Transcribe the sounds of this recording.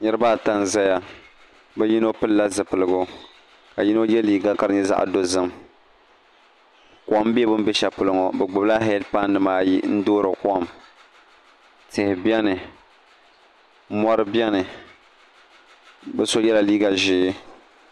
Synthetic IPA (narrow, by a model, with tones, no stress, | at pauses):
ɲɛ˦ɾɨ˦baː˦˨ta˦nza˦ja˦ | bɛ˦ji˦no˦pɨ˦lːa˦zɨ˨pɨ˨lɨ˨ɡʊ˦ | ka˨ji˦no˦jɛ˦liː˦ɡa˦ka˨ɾɨ˦ɲɛ˦za̰˦ʔa̰˨do˦zɨ˦m | kʷm˦bi˦ɛ˦bɨ˦m̩˦bɛ˦ʃa˨pʊ˨lɨ˦ŋɔ˨bɛ˨ɡ͡bʊ˨bla˦ɦɛ˦dpa˦nːɨ˨maː˦ji˦n̩˦doː˦ɾɨ˨kɔ˦˨m | tɪ˨hɪ˨bɛ˦nɨ˨˦ | mɔ˦ɾɨ˦bjɛ˦nɨ˨ | bɛ˦so˦jɛ˦la˨liː˦ɡa˨ʒɪː˦